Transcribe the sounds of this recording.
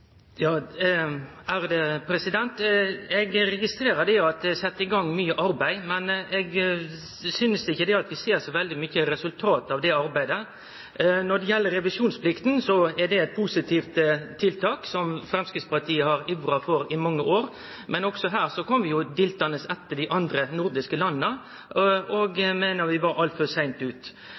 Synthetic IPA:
jɑː | æɾd̪ɛpʰɾɛsɪd̪ɛnt̪ɛɡɾɛɡɪst̪ɾeːɾəd̪ɛɑt̪̚d̪ɛsɛt̪ːəɪɡɑŋːmyːəʔɑɾbæɪmɛnɛɡ | sʏnəsdɪçːəd̪ɛɑt̪ʋɪseːɾsɔʋɛld̪ɪmyçəɾɛsʉlt̪ʰɑːt̪ɑʋd̪ɛɑɾbæɪd̪ə | nɔɖ̪ɛjɛlːəɾːɛʋɪʂuːnspʰlɪkt̪n̩sɔɛdɛɛt̪̚pʰʊsɪt̪ʰift̪t̪ʰːɪlt̪ʰɑːksɔmfɾɛmskɾɪt̪spɑɾt̪ʰiːəhɑɾɪʋɾɑfɔɾɪmɑŋːəʔoːɾ | mɛnɔksɔɦæːɾsɔkʰɔmʋɪjʊd̪ɪlt̪ɑnəsɛt̪ːəɖɪʔɑnd̪ɾənʊɾd̪ɪskəlɑnːnə | ɔɡmeːnəɾʋɪʋɑɾɑlt̪fɔsæɪnt̪ʉːt̪

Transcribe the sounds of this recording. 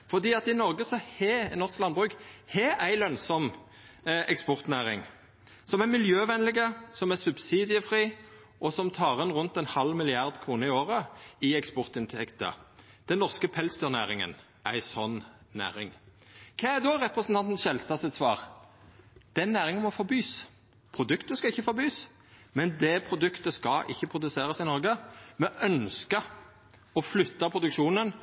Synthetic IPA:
fɔʁd̪iːɑt̪ɪnɔɾɡəsɔhɛnɔʁsklɑnbʁʉːkhɛæɪlœnsɔm | ɛkspɔʁt̪næːʁɪŋ | sɔmæmɪljøːʋɛnlɪɡəsɔmæsʉbsiːd̪ɪəfɾiː | ʔɔsɔmt̪ʰɑːʁɛnʁʉnt̪ɛɪnhɑlmɪlɪɑʁd̪kʰʁuːnəɪoːʁəɪɛkspɔʁt̪ɪnt̪ʰɛkt̪ə̰ | d̪̥ɛnːɔʁskəpʰɛlsd̪øːʁnæːʁɪŋə̰n | ʔæɪsɔn | næ̰ːʁɪŋ | kʰeːæd̪ɔʁɛpʁəsnt̪ɑnt̪n̩sʃɛlst̪ɑːsɛt̪sʋɑːʁ | d̪̥ɛɛnːæːʁɪŋɔmɔfɔɾbyːs | pʰʁʊd̪ʉkt̪əskɑɪçːəfɔɾbyːs | mɛnd̪ɛːpʰɾʊd̪ʉkt̪əskɑʔɪ̰çːəpʰʁʊd̪ʉseːɾəsɪnɔɾɡəmɛʔœnskə | ɔflʏt̪ːɑpʰʁʊd̪ʉkʃuːnən

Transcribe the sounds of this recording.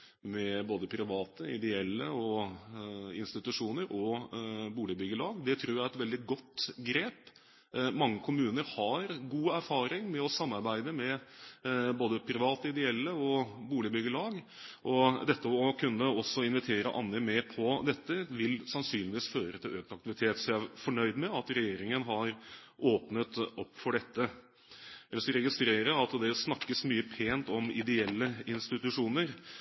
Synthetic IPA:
mɛboːd̪əpʰɾɪʋɑːt̪əɪ̰d̪ɛɛlːəɔ | ɪ̰nst̪ɪt̪ʉʂuːnəɾʔɔbuːlɪbʏɡəɭɑːɡd̪ɛt̪ʰɾuːɾjæɛt̪ʋɛld̪ɪɡɔt̪ːɡɾeːp | mɑŋːəkʰʊmʉːnəɾhɑɾɡuːæɾfɑːɾɪŋmɛɔsɑmːɑɾbæɪd̪əmɛ | boːd̪əpʰɾɪʋɑːt̪əɪd̪ɛɛlːəɔbuːlɪbʏɡəɭɑːɡ | ʔɔd̪ɛt̪ːəɔkʰʉnːəɔsːɔɪnʋɪt̪ʰeːɾə̰ʔɑ̰nːəmeːpʰɔd̪ɛt̪ːəʋɪlsɑnsyːnɪʋiːsføːɾət̪ʰɪløːk̚t̪ɑkt̪ɪʋɪt̪ʰeːt̪sɔæfɔɳœʏd̪mɛɑt̪ɾɛjeːɾɪŋənɦɑɾʔoːpnət̪ɔpːfɔɖɛt̪ːə | ɛlːəʂɔɾɛɡɪst̪ɾeːɾəɑt̪d̪ɛsnɑkːəsmyːəpʰeːnt̪ɔmɪd̪ɛɛlːəɪnst̪ɪt̪ʉʂuːnəɾ

